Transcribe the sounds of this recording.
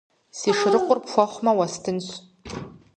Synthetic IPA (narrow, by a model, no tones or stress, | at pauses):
siʂrɨqʷʼʊrpfʷaχʷmawastʰɨnɕʷ